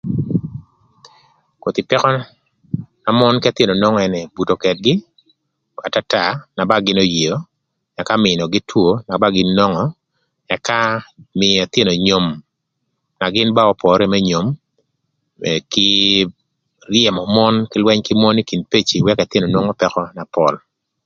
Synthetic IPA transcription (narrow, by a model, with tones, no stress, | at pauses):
ko˨t̪i˨pɛ˦kɔ˦ | na˨mɔ˦nkɛ˦t̪je˦no˨nɔ˦ŋɔ˦ɛ˨nɛ˨bu˨to˨kɛ˨t̚ɡɪ˦ | a˨ta˦ta˨na˨ba˦ɡɪ˦no˦ji˨o˦ | ɛ˨ka˦mɪ˨nɔ˨ɡɪ˦tʰwo˦na˨ba˦ɡɪ˦nːɔ˦ŋɔ˨ | ɛ˨ka˦mɪ˨a˨t̪je˦no˨ɲo˨m | na˨ɡɪ˦nba˦ɔ˦pɔ˨ɾɛ˦mɛ˦ɲo˨m | ɛkɪ˦ | rjɛ˨mɔ˨mɔ˦nkɪ˦lwɛ˦ɲkɪ˦mɔ˦ni˦ki˨npe˦t͡ʃi˨wɛ˦ka˨t̪e˦no˨no˦ŋɔ˦pɛ˦kɔ˦na˨pɔ̰˨l